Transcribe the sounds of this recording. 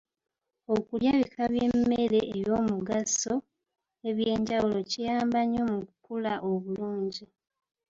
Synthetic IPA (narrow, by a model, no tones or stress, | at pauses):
o̞kuljaβikʰaβjemːeɾeʔːβjo̞ːmuɡaso̞ | e̞βje̞ːɲɟawulo̞cijaːmbaɲo̞mukukulaʔoβuluːɲɟi